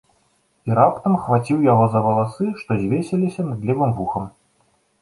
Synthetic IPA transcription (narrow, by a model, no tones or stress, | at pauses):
iɾapt̪ɐmxvat͡sʲiwjaɣɔzɐvɐlˠasɨʂt̪ɔzʲvʲesʲɐlʲisʲɐnɨd̪lʲivɨmvuxɐm